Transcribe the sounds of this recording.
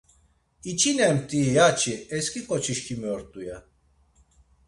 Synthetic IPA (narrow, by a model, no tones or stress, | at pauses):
it͡ʃʰinɛmt̪ʼijat͡ʃʰʼiɛskʼikʼɔt͡ʃʰiʃkʰimiɔɾt̪ʼuja